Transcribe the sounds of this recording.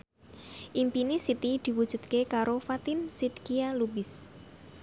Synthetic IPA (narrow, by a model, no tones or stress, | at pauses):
ʔimpinesit̪id̪̥i̤wud̥ʒ̥ṳt̪̚kekaɾofat̪insid̪kialubɪs